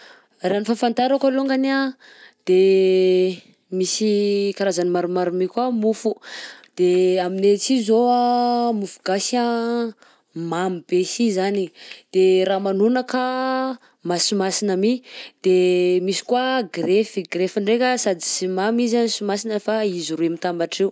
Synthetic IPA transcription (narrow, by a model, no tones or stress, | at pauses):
ranifafant̪aɾakaloŋɡana | d̪̥e | misikaɾazanimaɾumaɾumikwamufud̪̥eaminet͡sizoamufuɡasa | mamib̥esizanid̪̥eɾamanunəka | masimasinamid̪̥emisi̥kwaɡrefiɡrefiɳɖ͡ʐekʲəsad̪isimamizansimasinəfaiziruemit̪ambaʈ͡ʂew